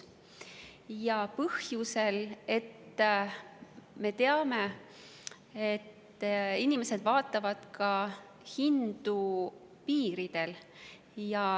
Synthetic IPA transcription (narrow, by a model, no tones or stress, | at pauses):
jɑpɤhjuse̞le̞t̪ː | me̞t̪e̞ɑme̞ | et̪ː | inime̞se̞d̪̥vɑːt̪ːˑɑvɑd̪̥kʰɑ | hind̪̥u | piːɾid̪̥e̞l | jɑ